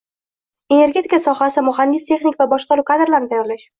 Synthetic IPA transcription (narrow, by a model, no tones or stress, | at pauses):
e̞ne̞ɾɡʲe̞t̪ʰʲɪkasɒχasɪmʊɦand̪ɪst̪ʰe̞χnɪkʲvabɒʃqɑɾuwkʰad̪ɾlaɾnɪt̪ʰajɒɾlaʃ